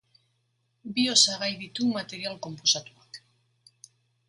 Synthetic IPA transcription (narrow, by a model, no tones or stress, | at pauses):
biosaɣajðit̪umat̪e̞ɾjalko̞mposat̪uak